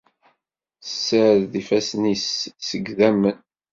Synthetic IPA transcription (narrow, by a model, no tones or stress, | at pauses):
səɾðifæsnisːəɡðæmən